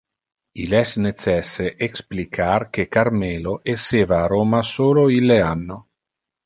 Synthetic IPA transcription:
ilɛsnet̪sɛsːeʔeksplikʰarkekarmeloʔesːeːvaːɾoːmasoːloilːeanːo

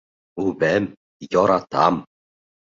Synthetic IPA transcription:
uβæm | jɔɾɑt̪ɑ̰m

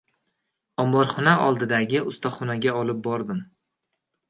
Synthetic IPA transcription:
ɒmbɒɾχɒnaɒ̰lˠd̪ɪd̪aɡʲɪʊst̪ʰɒχɒnaɡʲaɒlɪp̚bɒɾd̪ɪm

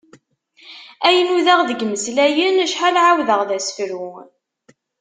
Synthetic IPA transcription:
æjənuðaʁðəɡməslæjənæʃħalʕawðəʁðæsə̥fɾu

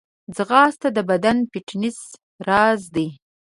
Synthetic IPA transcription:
d͡zɣɑst̪ad̪əbad̪anpiʈnis | ɾɑzd̪i

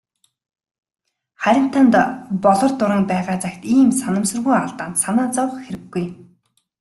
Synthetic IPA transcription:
χæɾʲɪ̆m̥t̪ʰant̪pɔɮɞ̆rt̪ʊɾə̆ŋpæːʁaːt͡sakt̪iːmsanə̆msɵ̆rɣujaɮt̪aːnt̪sanaːt͡sɔw̆χxeɾɘ̆ɡːuj

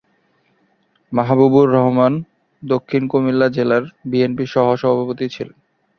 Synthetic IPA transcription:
maɦbubuɾːɔɦman | d̪okʰːinkomilːad͡ʑelaɾbienpiʃɔɦoʃɔbʱabʱapot̪it͡ɕʰilen

